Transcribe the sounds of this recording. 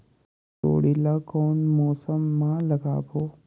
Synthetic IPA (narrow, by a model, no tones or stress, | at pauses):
to̰ːɽilakoːnmɔːsəmːãlɐɡa̰ːbo